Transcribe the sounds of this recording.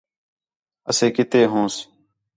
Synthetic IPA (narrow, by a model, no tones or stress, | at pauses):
əsẽːkɪt̪eːɦõːs